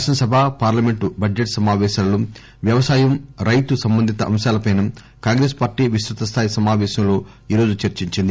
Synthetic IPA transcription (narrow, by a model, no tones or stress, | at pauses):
ʃɐnɐsɐbʱaːpaːɾlɐme̞ɳʈubɐd͡ʒeʈsɐmaːʋɛːʃaːloː | ʋjɐʋɐsaːjɐmɾɐjt̪usɐmbɐnd̪ʱit̪ɐʔɐ̰mʃaːlɐpɐjnɐm | kaːŋɡɾe̞ːspaːɾʈiːʋisɾut̪ɐst̪ʰaːjisɐmaːʋɛːʃɐmlo̞ː | iːɾo̞ːd͡ʒut͡ʃɐɾt͡ʃiɲt͡ʃind̪i